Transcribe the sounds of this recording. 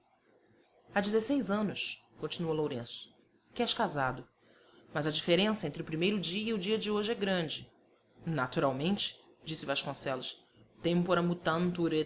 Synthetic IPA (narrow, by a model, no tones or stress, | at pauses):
ad͡ʒɪzesejzɐ̃nʊskõt͡ʃinuɐlowɾẽsʊ̥ | kɪɛʃkazad̪ʊ | mɐzɐd͡ʒifeɾẽsɐẽnt̪ɾɪʊpɾimejɾʊd͡ʒiɐiʊd͡ʒiɐd͡ʒɪoʒɪɛɡɾɐ̃d͡ʒɪ | nat̪uɾawmẽnt͡ʃɪ̥ | d͡ʒisɪvaʃkõsɛlʊʃ | t̪ẽpoɾɐmut̪ɐ̃nt̪uɾe